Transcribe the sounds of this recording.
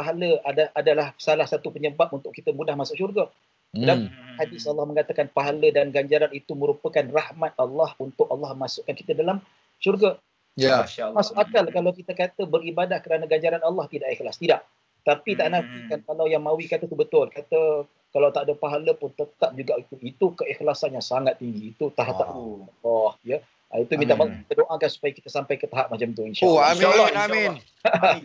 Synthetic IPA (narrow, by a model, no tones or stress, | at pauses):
paɦaləadaadalahsalahsat̪upəɲəbap̚unt̪ʊʔkit̪əmudahmasʊʔʃurɡa | daihadɪsɑlːɑhməŋat̪akanpaɦalədanɡaɲd͡ʒaɾanit̪umə̃ɾupəkanrahmat̪̚alːɑhunt̪ʊʔalːɑhmasʊʔkanki̥t̪ədalam | ʃurɡa | masʊʔakalkalawkit̪əkat̪əbəɾibadahkəɾanaɡaɲd͡ʒaɾanɑlːɑht̪idaʔakəlast̪idaʔ | t̪apit̪aʔnãt̪ikankalawjaŋmawikat̪ət̪ubət̪ʊlkat̪ə | kalawt̪aʔdəpaɦaləpʊnt̪ət̪ap̚d͡ʒuɡaʔit̪uit̪ukəixlasanjaŋsaŋat̪ːiŋɡiːt̪ut̪aɦaʔ̪aʔd̪ulɔhjə | ait̪umint̪amalkit̪ədoʔakansu̥pajaki̥t̪əsampajkət̪aɦaʔ̚mat͡ʃamt̪uinʃalalːaʃn